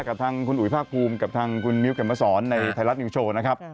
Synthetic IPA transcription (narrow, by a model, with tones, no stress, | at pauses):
kaː˨˩p̚t̪ʰaː˧ŋkʰu˧nʔu˨˩˦jpʰaː˥˩k̚pʰuː˧mka˨˩p̚t̪ʰaː˧ŋkʰu˧nmi˦˥wkʰe˨˩maː˧˩sɔː˩˦nːa˧jt̪ʰa˧jla˦˥t̪̚niː˧˩t͡ɕʰoː˧na˦˥kʰa˦˥p̚